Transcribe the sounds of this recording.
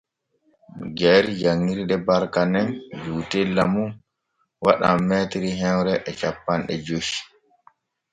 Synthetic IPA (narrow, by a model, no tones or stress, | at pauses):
ɡɛld͡ʒaŋːiɾɗɛbaɾkanɛnd͡ʒuːtɛlːamun | waɗa̰mːɛtiɾiɦɛnɾɛʔɛt͡ʃapːanɗɛd͡ʒoʃi̥